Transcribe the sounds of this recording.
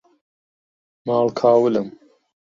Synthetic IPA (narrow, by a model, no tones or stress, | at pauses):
mɑːlkʰaːwəlɨm